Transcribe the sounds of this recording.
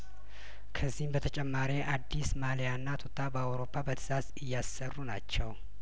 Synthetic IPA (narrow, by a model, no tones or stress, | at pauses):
kʰəzːihmbət̪ʰət͡ʃʼɛmːaɾiʔad̪ːismalijanːat̪ʰot̪ʰʼːabəawɾo̞pʰːabət̪ʰɨ̥z̥azɨjːasːərːunat͡ʃːɛw